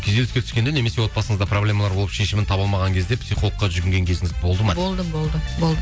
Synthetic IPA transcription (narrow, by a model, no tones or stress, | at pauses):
kʲʰed̪e̞lɪskʲet̪ʰʏ̥skʲend̪ene̞mese̞wo̞t̪̚pɑsəɴəzd̪ɑpro̞blʲe̞mɑlˠɑɾbo̞lˠəpʃe̞ʃɪmɪnt̪ʰɑbəlˠmɑʁɑŋkʲʰe̞zd̪epsijχo̞lˠəqːɑʒʏɾɡʲɪŋɡʲe̞ŋkʲʰe̞zɪŋɪzbo̞lˠd̪əməbolˠd̪əbolˠd̪əbolˠd̪ə